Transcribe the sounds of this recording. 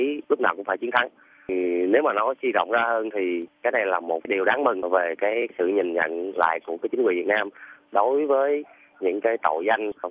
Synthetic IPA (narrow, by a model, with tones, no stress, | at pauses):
i˨˦lʊ˦˥k͡p̚naː˨˩wkʊ̰˧˥ŋ͡mfaː˧˩t͡ɕi˨˦ənt̪ʰa˨˦ŋ | ne˨˦wmaː˨˩nɔ˨˦swi˧zɔ̰˧˨wŋ͡mzaː˧həː˧nt̪ʰi˨˩kaː˨˦jna˨˩jlaː˨˩mo˨˩t̚ɗi˨˩əwɗaː˨˦ŋmi˨˩ŋ˩ve˨˩kaː˨˦jsɨ̰˧˨ɲï˨˩ŋɲə̰˧˨nla̰ː˧˨jku˧˩əkaː˨˦jt͡ɕï˨˦ŋwḭ˧˨vi˨˩ət̚naː˧mɗo˨˦jvəː˨˦j | ɲɨ̰˧˥ŋkaː˨˦jt̪o̰˧˨jza˧jŋ̟